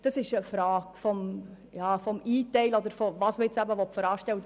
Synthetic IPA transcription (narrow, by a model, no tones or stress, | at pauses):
d̥ɑsɪʃəfɾɑːɡ̥fɔm | jɑːfɔmiːtɛɪlɔd̪əɾfɔvɑːsməjɪt͡sæbəʋɔtfəɾɑːʃtɛwə